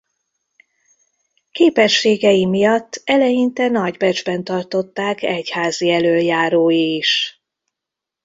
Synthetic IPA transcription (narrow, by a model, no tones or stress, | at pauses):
keːpɛʃːeːɡɛjimijɒt̪ːɛlɛjint̪ɛnɒɟbɛd͡ʒbɛnt̪ɒrt̪o̞t̪ːaːkɛchaːziɛløːljaːɾoːjiːʃ